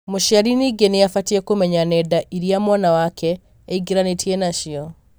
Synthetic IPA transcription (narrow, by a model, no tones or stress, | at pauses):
moʃiaɾiniɡenejafatiɛkomɛɲanɛdaʔiɾiamwanawakʰɛː | iɡeɾanetʰienaʃiɔ